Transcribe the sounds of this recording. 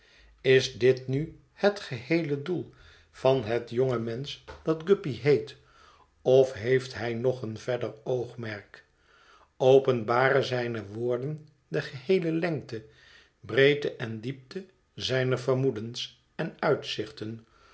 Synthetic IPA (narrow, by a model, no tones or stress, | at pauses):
ɪzdɪtny | hətχəhejlədulˠ | v̥ɑnɦətjoŋəmɛnsdɑdɡɵpiɦejt | ɔfɦejftɦɛjnɔχənv̥ɛɹdəɹowχmɛɹk | owpənbaːrəzɛjnəʋʊːɹdən | dəχəɦejləlɛŋk̚tə | brejdəʔɛndip̚tə | zɛjnəɹvəɹmudəns | ɛnœɥtsɪχtən